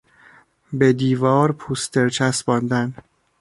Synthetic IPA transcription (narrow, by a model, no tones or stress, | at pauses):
bed̪iːvɒːɾpʰuːst̪ʰeɾt͡ʃʰæsbɒːnd̪æn